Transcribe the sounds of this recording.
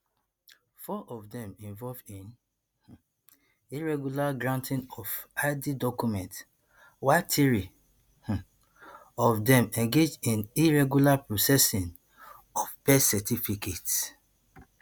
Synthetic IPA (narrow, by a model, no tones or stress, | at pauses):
fɔʔɔvdɛ̃mĩɱvɔlvĩn | h | iɹɛɡjulaɡɹãntʰĩnɔfadidɔkumɛ̃nt | watʰiɹi | h̩ | ɔfdɛ̃mɛ̃ŋɡed͡ʒĩniɹɛɡjulapɹosɛsĩn | ɔfpɛsɛtifikʰet